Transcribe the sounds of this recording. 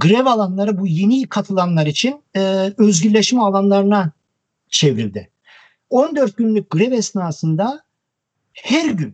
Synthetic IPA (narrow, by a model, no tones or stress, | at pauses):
ɡɯɾɛvalˠanlˠaɾɯbujenikʰat̪ʰɯlˠanlˠaɾit͡ʃʰinːøzɟyɾlʲeʃmɛalˠanlˠaɾɯna | t͡ʃʰevɾild̪ɪ | o̞nd̪ø̞ɾt̪̚ɟynlʲyc̚ʲɡ̥ɯɾɛvɛsnaːsɯnd̪a | hæɾɟyn